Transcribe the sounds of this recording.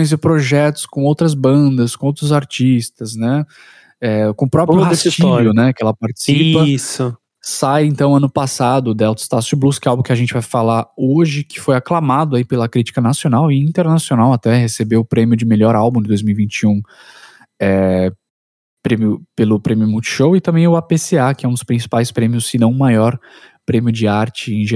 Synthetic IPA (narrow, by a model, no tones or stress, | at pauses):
j̃zɪpɾoʒɛt̪ʊ̥skõowt̪ɾɐzbɐ̃d̪ɐskõowt̪ɾʊzaɾt͡ʃist̪ɐznɛ | ɛkõʊpɾɔpɾjʊaest͡ʃiviʊnɛkɪɛlɐpaɾt͡ʃɪ̥siipɐsʊ | sajẽnt̪ɐ̃w̃ɐ̃nʊpasad̪ʊd̪ɛwt̪ɪ̥st̪asʊbluskɛawbũkɪɐʒẽnt͡ʃɪvajfalaoʒɪkɪ̥fojaklamad̪ʊaipelɐkɾit͡ʃi̥kɐnasionawɪĩnt̪eɾnasionawat̪ɛhesebeʊpɾẽmjʊd͡ʒɪmeʎɔɾawbũd͡ʒɪd̪ojzmiuwivĩnt͡ʃiũ | ɛ | pɾẽmjʊpelʊpɾẽmjʊmũt͡ʃɪ̥ʃowɪt̪ɐ̃mbẽj̃ʊapeseakɪɛũd̪ʊspɾĩsi̥pajspɾẽmjʊsːɪnɐ̃w̃ʊ̃majɔɾ | pɾẽmjʊd͡ʒɪaɾt͡ʃɪẽj̃ʒe